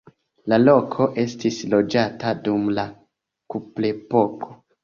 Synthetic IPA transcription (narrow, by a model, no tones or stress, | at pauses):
lalo̞kʰo̞ʔe̞stislo̞d͡ʒatadumla | kuplepo̞kʰo